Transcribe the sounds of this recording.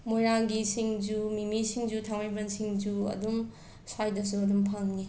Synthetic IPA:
mojɾaŋɡisiŋd͡ʒumimisiŋd͡ʒutʰaŋmajbɐnsiŋd͡ʒuɐ̰dum | sajdɐsuɐdumpʰaŋni

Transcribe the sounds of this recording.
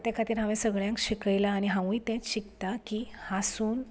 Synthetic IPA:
t̪jãkʰat̪iːɾɦãʋẽsəɡɭjãŋkɕikəjlaːñiɦãʋũit̪ɛ̃ɕikt̪akihasuːn

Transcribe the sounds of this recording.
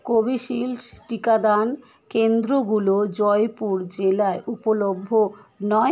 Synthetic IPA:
kobiʃilʈikad̪an | kend̪ɾoɡulod͡ʑɔjpuɾd͡ʑelaeʔupolobʱːo | nɔe

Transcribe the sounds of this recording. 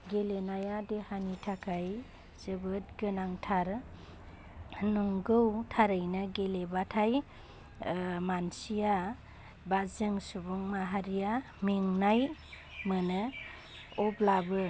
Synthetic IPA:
ɡelenajadehanitʰakʰaj | z̥ɯbɯt̚ɡɯnaŋtʰaɾ | nɔŋɡɯwtʰaɾɯjnɯɡelebatʰaj | mansija | bazɯŋsubuŋmaɦaɾija | meŋnaj | mɯnɯ | ɔblabɯ

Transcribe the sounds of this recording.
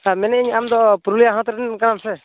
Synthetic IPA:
amɛnɛiɲamd̪ɔpuɾulijaɦɔ̃t̪ɾɛnkanamsɛ

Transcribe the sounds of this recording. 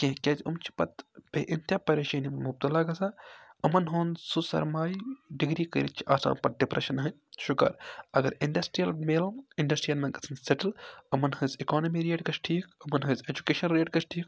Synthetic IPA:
kẽɦkʲezumt͡ʃʰi̥pɐt̪b̥eʔint̪ʲjapɐɾeːʃɐːnimmub̚t̪ɐlaːɡɐsaːɐmɐnɦoːnsusɐ̰ɾmaːjɖiɡɾiːkɐ̰ɾit͡ʃʰiʔa̰ːsa̰ːmpɐt̪̚ɖipɾɐ̰ʃɐnɦɐ | ʃʊkɐ̰ɾɐɡɐɾiɳɖɐsʈɾijɐlmeːloiɳɖɐsʈɾijɐlmɐnɡɐt͡sʰɐnsɐʈɐlɐmɐnhɐzikoːnɐmiːɾeːʈɡɐt͡ʃʈʰiːkɐmɐnɦɐzed͡ʒukeːʃɐnɾeːʈɡɐt͡ʃʈʰiːk

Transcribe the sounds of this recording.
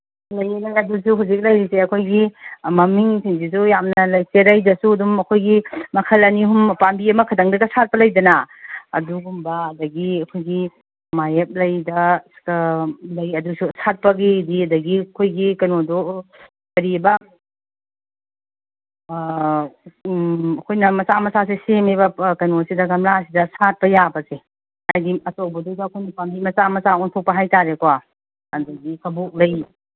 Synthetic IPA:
lɐjelajɐdusuɦawzik̚lɐjɾiseɐkʰojɡimɐmiŋsiŋsisujamnɐlɐjseɾɐjdɐsuɐdumɐkʰojɡimɐkʰɐlɐniɦumpambiɐmɐkʰɐdɐŋdɐɡɐsat̚pɐlɐjdɐnɐɐ̰duɡumbɐɐdɐɡiɐkʰojɡi | majep̚lɐjdɐskɐlɐjɐdususat̚pɐɡidiɐdɐɡikʰojɡikɐnodo | kɐɾibɐ | ɐkʰojnɐmɐsamɐsasesemebɐkɐnosidɐɡɐmɾasidɐsat̚pɐjabɐse | ajdiɐtobɐdudɐːkʰojnipambimɐsamɐsaontʰok̚pɐɦajtaɾekowa | ɐdɐɡikʰɐbuk̚lɐj

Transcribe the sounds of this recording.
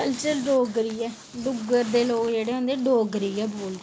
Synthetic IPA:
əlt͡ʃəlɖoːɡɾiːɛː | ɖʊɡəɾd̪eːloːkd͡ʒeːɽeːɦõːnd̪eːɖoːɡɾiːɛːboːl

